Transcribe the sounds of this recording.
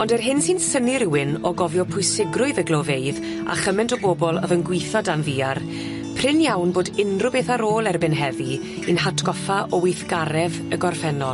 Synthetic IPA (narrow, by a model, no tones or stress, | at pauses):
ɔndɛrɦɪnsinsəniɾɪwɪnɔɡɔvjɔpʰʊjsɪɡrʊɨðəɡlɔveɨð | a̰χəmɛntʰɔboːbɔlˠə̰vənɡwɪjθɔdanviːar | pʰr̥ɪnjawnboːdɪnrʊbeːθaɾoːlˠɛrbɪnɦɛvi | ɨnhatʰɡ̥ɔfaʔɔwɪjθɡ̥aɾɛv | əɡɔrfɛnɔlˠ